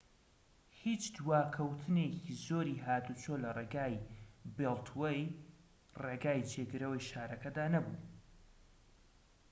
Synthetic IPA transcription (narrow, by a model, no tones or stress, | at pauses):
hiːt͡ʃd̪waːkʰɐwt̪ʰɨnecʰizoːɾiːɦaːd̪ut͡ʃʰoːlɐreːɡaːjbelˠt̪ʰwej | reːɡaːjd͡ʒeːɡɨɾɐwɐjʃaːɾɐkɐd̪aːnɐbṵː